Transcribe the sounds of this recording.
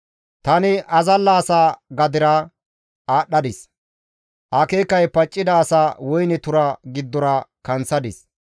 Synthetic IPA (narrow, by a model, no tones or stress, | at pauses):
t̪ɐnɪʔɐzɐlːaːsaːɡɐd̪ɪɾa | aːɗːɐd̪ɪs | ʔɐkeːkːɐjpɐt͡ʃʼːɪd̪aːsaːwɔjnɛt̪ʊɾɐɡɪd̪ːɔɾɐkɐnt͡sːɐd̪ɪs